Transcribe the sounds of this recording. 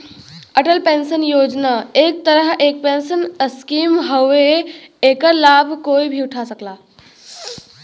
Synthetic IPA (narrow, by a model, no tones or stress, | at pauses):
əʈəlpensənjod͡ʑnaek̚t̪əɾəɦeːk̚pensənskiːmɦəʋeekəlabʱkoːibʱiʊʈʰasəkla